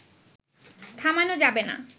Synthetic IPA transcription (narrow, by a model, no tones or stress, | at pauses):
t̪ʰamanod͡ʑabena̰